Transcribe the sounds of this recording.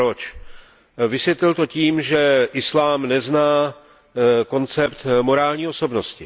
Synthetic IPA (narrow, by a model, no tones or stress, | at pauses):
ɾot͡ʃ | vɪsʋjɛt̪lɪlt̪o̞ciːmʒɛʔɪslaːmnɛznaː | ko̞nt͡sɛpt̪mo̞ɾaːlɲiːoso̞bno̞scɪ